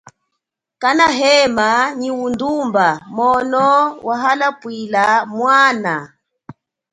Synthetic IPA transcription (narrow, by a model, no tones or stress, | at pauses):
kanaɦɛmaɲiwundumbamɔnɔwʔaɦalapwilamwana